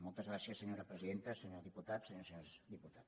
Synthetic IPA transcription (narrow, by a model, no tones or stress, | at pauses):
molˠt̪əzɣɾasiəsːəɲoɾəpɾəziðent̪əsəɲoɾðiput̪at̪səɲosozd̪iput̪at̪